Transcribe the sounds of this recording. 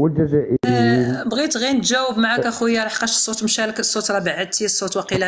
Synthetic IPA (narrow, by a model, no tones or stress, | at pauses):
wəld͡ʒæzæʔəbɣit̪ɣint̪ʒæwːəbmaʕakæxwəjːaɾˤɑħqɑʃə̥sˤːut̪mʃæləkəsˤːot̪ɾˤɑbaʕəd̪̚t̪isˤːot̪wɑqilæ